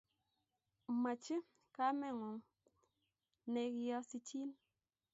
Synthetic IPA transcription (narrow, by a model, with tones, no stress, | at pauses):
ma˨t͡ʃi˦ | ka˦mɛ˦˨ŋɔ˨ŋ | ne˨kjɔ˦si˦t͡ʃi˦n